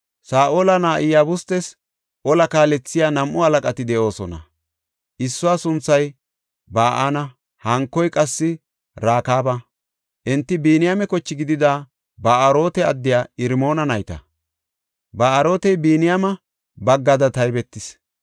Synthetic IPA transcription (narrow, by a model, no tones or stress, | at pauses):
saːʔoːlɐnaːʔɪjaːbʊst̪ɛs | ʔɔlɐkaːlɛt͡sːɪjaːnɐmʔʊɐlɐkʼɐt̪ɪd̪ɛʔo̞ːsɔnɐ̰ | ʔɪsːʊwaːsʊnt͡sːɐj | baːʔanɐ | hɐŋkːɔjkʼɐsːɪ | ɾaːkaːbɐ | ʔɪnt̪ːɪbiːnɪjamɛkɔt͡ʃːɪɡɪd̪ɪd̪aː | baːʔɐɾo̞ːt̪ɛɐd̪ːɪjaːɪɾmo̞ːnɐnɐjt̪ɐ̰ | baːʔɐɾo̞ːt̪ɛjbiːnɪjamɐ | bɐɡːɐd̪ɐt̪ɐjbɛt̪ːɪs